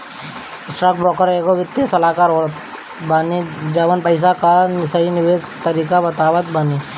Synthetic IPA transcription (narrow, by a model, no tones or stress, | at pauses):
ɪsʈɾaːk̚bɾɔːkəɾeːkoʋɪt̪ːjesɐlaːkaːɾoːɾət̪ | baːnid͡ʒɐʋənpəɪs̬akanɪsəinɪʋeːs | t̪ɐɾiːkabɐt̪aːʋət̪baːni